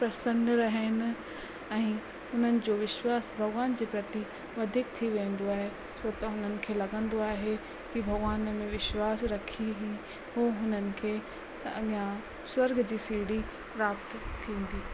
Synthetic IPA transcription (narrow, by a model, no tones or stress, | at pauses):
pɾɐsə̃nɖɾɐɦənɪ̆ | ɛ̃ː | ʊn̤ənɪ̆d͡ʑoːʋɪʃwaːsbʱɐɡʋaːnd͡ʑiːpɾɐt̪i | ʋɐd̪ʱiːk̚t̪ʰiʋẽːn̆d̪oaːɦe | sʰoːt̪ɐɦʊn̤ənɪ̆kʰeːlɐɡə̃nd̪oaːɦe | kibʱɐɡʋaːnmẽʋɪʃwaːsɾɐkʰiɦi | ɦuɦʊn̤ənɪ̆kʰeː | jã | swɐɾɡʱd͡ʑiːsiːɽi | pɾaːp̚t̪t̪ʰːĩːn̆d̪iː